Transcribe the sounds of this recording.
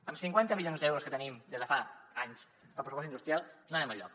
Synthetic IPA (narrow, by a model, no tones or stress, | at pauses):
əmsiŋkwant̪əmiʎonzd̪ɛwɾuskət̪ənimd̪ezðəfaaɲs | pəlpɾusupɔs̬ind̪ust̪ɾijalˠnanɛməʎːɔ̰k